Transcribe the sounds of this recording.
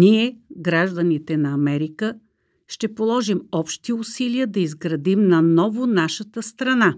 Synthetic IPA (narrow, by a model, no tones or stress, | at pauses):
niɛɡɾaʒd̪ənit̪ɛnɐɐmɛɾikə | ʃt̪ɛpolˠɔʒimɔpʃt̪iʊsiliəd̪ɐizɡɾɐd̪imnɐnɔvʊnaʃət̪əst̪ɾɐna